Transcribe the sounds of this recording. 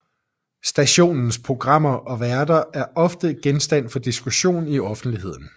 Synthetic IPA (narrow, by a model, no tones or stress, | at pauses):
sd̥æɕo̝̰ːnn̩spʰʁo̝ɡ̥ʁɑ̈m̰ɐʔɒ̽ʋæɐdɐæɐʔɒ̽fd̥əɡ̥ensd̥æn̰fɒ̽d̥isɡ̥uɕo̝̰ːniɒ̽fn̩d̥liɦe̝ð̰ˠn̩